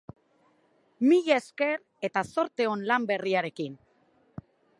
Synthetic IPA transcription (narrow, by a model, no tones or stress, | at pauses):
miʎeeske̞ɾ | e̞t̪aso̞ɾt̪e̞o̞nlambe̞riaɾe̞kin